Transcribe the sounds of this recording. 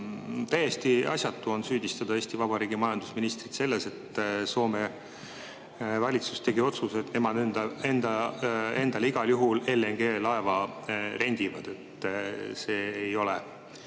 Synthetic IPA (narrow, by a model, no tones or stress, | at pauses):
t̪æjest̪iʔɑ̰sʲjɑt̪ːuo̞nsyːd̪ist̪ɑd̪̥ɑe̞ːsʲt̪ivɑbɑɾiːɡimɑjɑnd̪usminist̪rit̪se̞lːese̞t̪ːso̞ːme̞ | vɑlʲit̪su̥st̪e̞ɡio̞t̪suse̞t̪ne̞mɑd̪end̪ɑe̞nd̪ɑe̞nd̪̥ɑliɡ̥ɑljuɦule̞leŋɡ̥e̞ːlɑe̞vɑɾe̞nʲd̪̥ivɑd̪̥e̞t̪se̞ːjo̞lɛ